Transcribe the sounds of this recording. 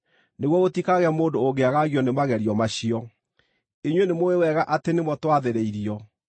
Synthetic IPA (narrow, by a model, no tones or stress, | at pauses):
neɣwɔɣotikaɣɛamoːndoːɡeaɣaɣjɔnemaɣɛɾiɔmaɕiɔ | eɲwenemoewɛɣaʔatenemwɔtwaðeɾeiɾiɔ